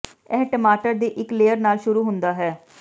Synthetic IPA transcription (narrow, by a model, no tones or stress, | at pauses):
ɛːʈəmaːʈəɾd̪eːʔɪkleːəɾnaːlʃʊɾuːɦʊnd̪aːɦɛː